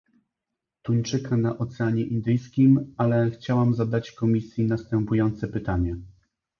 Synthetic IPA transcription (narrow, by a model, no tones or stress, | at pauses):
t̪uɲt͡ʂɘkanaʔɔt̪sɛaɲɛʔind̪ɘjskʲimalɛxt͡ɕawamzad̪at͡ɕkɔmʲisʲjinast̪ɛmpujɔnt̪sɛpɘt̪aɲɛ